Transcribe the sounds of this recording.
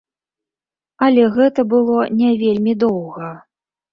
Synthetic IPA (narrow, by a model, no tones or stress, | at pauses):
ɐlʲɛɣɛt̪ɐbɨlˠɔnʲɛvʲelʲmʲid̪ɔwɣɐ